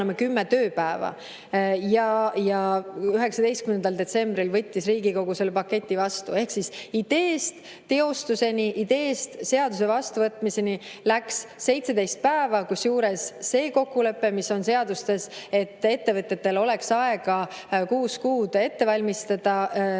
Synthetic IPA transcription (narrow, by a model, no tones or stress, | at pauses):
emekymːet̪ø̞ːpæevɑ̰ | jɑjɑyɦe̞ksɑd̪e̞jst̪kymnend̪ɑld̪e̞t̪se̞mbɾilvɤ̞t̪ʲːisriːɡ̥iko̞ɡuse̞lːepɑkːe̞t̪ʲːˑivɑst̪ue̞hksisid̪̥e̞ːst̪ | t̪e̞o̞st̪use̞niʔid̪e̞ːst̪se̞ɑd̪̥us̬evɑst̪uvɤt̪ːˑmise̞nilæksːe̞jt̪se̞d̪e̞jst̪̚pæevɑkusjuːɾe̞sːe̞ːko̞kːule̞pːe̞misːo̞nse̞ɑd̪ust̪e̞se̞t̪ːe̞t̪ːe̞vɤt̪ːe̞t̪ːe̞lo̞le̞ksɑe̞ɡ̥ɑkuːskuːd̪e̞t̪ːe̞vɑlʲmist̪ɑd̪̥ɑ